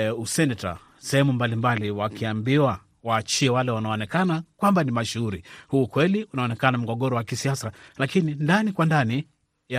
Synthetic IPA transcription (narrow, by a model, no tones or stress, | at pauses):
usɛnɛta̰ | sɛhɛmumbalimbaliwakiambiwa | waːt͡ʃiɛwalɛwanaɔːnɛkanakwambanimaʃuuɾihuːkwɛliunaɔnɛkanam̩ɡɔɠɔɾɔwakisiasalakinindanikwandani | a